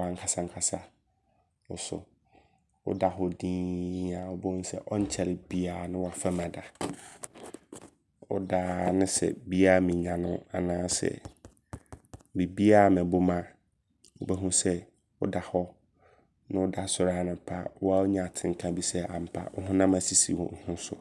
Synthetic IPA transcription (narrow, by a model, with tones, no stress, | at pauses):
ã˨ŋ˦kʰa˨sã˦ŋ̩˦kʰa˨sa˨ | ʊ˨sʊ̰˨ | ʊ̰˦da˨ɦɔ˦dĩː˦a˨wʊ˦bɛ˦hʊ̃˦sɛ̰˦ʔɔ˦ɲ̩˦t͡ɕʰɛ˨lɪ˨bi˦aː˨nʊ̃˦wa˨fa˦mã˨da˨ | ʊ̰˦daː˦nʊ̃˦sɛ̰˨bi˦aː˦˨mĩ˨ɲã˨nʊ̰̃˦a̰˨nãː˦sɛ̰˨ | mi˨bi˦a˦˨mɛ̃˨bʊ˦mã˦ | wʊ˦bɛ˦ɦũ˦sɛ˦ | wʊ̰˦da˨hɔ˦ | nʊ̃˦wʊ˦da˨sʊ˨ɾaː˦˨nʊ̃˨pʰa˦wɔ˦a˦o˦ɲã˨a˨tʰɪ̃˨ŋ˨kʰã˦bi˦sɛ˦a̰˨m̩˨pʰa̰˨wʊ̰˦ɦʊ̃˦nã˦ma˨si˦sḭ˨wɔ̰̃˨hʊ̃˦sʊ̰˨